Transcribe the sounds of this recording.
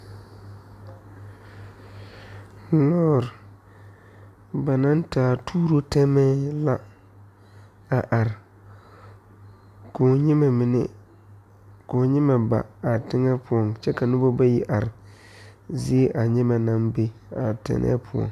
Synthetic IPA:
lɔː˦ɾ | ba˨na˦ntaː˨tʰuː˦ɾo˦tɛ˦mɛ˦la˦ | a˨ʔa˨ɾɪ˨ | ko˨ɲɪ˦ma˨mɪ˨nɛ̰˦ | ko˨ɲɪ˦ma˨ba̰˨a˨tɪ˦ŋɛ˦pʊ˦ɔ˨ŋt͡ʃɛ˦ka˨nʊ˦bo˦ba˦ji˦ʔa˨ɾɪ˨ | zɪ˦ʔa˨ɲɛ˦ma˨na˦mbe˦a˨tɛ̰˨nʔɛ̰˦pʰʊ˦ɔ̰˨ŋ

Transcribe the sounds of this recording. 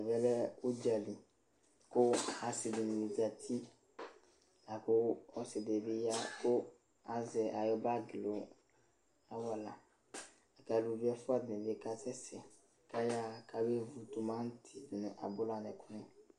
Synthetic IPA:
vɛ˦lɛ˦o˦d͡ʒa˨li˨ | ko˦a˨si˨de˨nũ˨i˨za˨t̪ʰi˦ | na˨ko˦ɔ˦se˨de˨be˦ja˦ko˦ | a˨zɛ˨ʔa˨jɔ˦ba˦ɡlo˨ | a˦wa˨la˨ | a˨ka˨lu˨vi˦ɛ˦fu˦a˦˨dɛ̃˨ve˦˨ka˦sɛ˦sɛ˨ | ka˦ja˦kʰa˨be˦vu˨t̪u˨mã˦n˦tʰi˨dnũ˨ʔa̰˨bo˦la˨nɛ˨ku˦nɛ̃˦

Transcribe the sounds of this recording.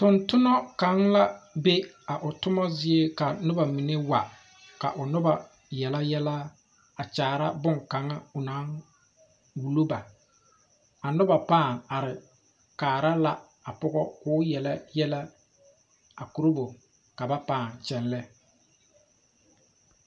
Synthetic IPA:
tʊ˨ntʊ˦nɔ˦ka˨˦ŋla˦be˦ | a˨ʔʊ˨tʊ˦mɔ˦zɪ˦e˦ka˨nʊ˦ba˨mi˨ne˦wa˨ | ka̰˨ʔʊ˨nʊ˦ba˨ | jɛ˨la˦jɛ˦la˦ | a˨t͡ʃaː˨ɾa˦bʊ˦ŋka˨ŋa˦ʊ˨na˨˦ŋ | wu˨lo˦ba˨ | a˨nʊ˦ba˨paː˦˨ŋa˨ɾɪ˨ | kaː˨ɾa˦la˦ | a˨pʊ˦ɡɔ˦kʊː˦jɛ˨la˦jɛ˦la˦ | a˨ku˨ɾo˦bʊ˨ | ka˨ba˦paː˦˨nt͡ʃɛ˦nlɛ˦

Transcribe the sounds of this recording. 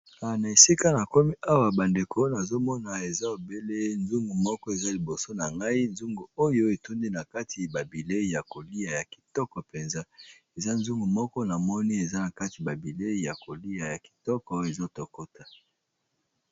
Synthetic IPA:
a˨na˨e˨si˦ka˦na˨ko˦mi˦ʔa˦wa˨ba˨nde˨kʰo˦na˨zo˦mɔ˦na˨e˨za˦o˨be˦le˦nzu˦ŋɡu˨mɔ˦kɔ˦e˨za˦li˨bo˨so˦na˨ŋɡa˦i˦nzu˦ŋɡu˨o˦jo˦e˨tu˦ndi˦na˨ka˦tʰi˨ba˨bi˨le˦i˨ja˨ko˨li˦a˨ja˨ki̥˨tɔ˦kɔ˨pe˨nza˦ | e˨za˦n˦zu˦ŋɡu˨mɔ˦kɔ˦na˨mɔ˦ni˦e˨za˦na˨ka˦ti˨ba˨bi˨le˦i˨ja˨ko˨li˦a˨ja˨ki̥˨tɔ˦kɔ˦e˨zo˦to˨ko˦ta˨

